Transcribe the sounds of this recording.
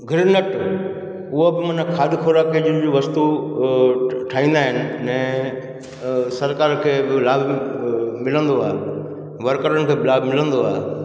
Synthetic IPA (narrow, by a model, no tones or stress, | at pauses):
ɡʱɪɾnɐʈ | ʊɦobɪmɐnə̃kʰaːd̪ʱɪkʰoːɾaked͡ʑɪɾd͡ʑoʋɐst̪u | ʈʰaːĩːnd̪aːɦɪnɪ̆nɛ̃ː | sɐɾkaːɾkʰeːbɪlaːb | mɪlə̃nd̪oaːɦe | ʋɐɾkəɾəɽ̃ɪ̆kʰeːblaːbmɪlə̃nd̪oaːɦe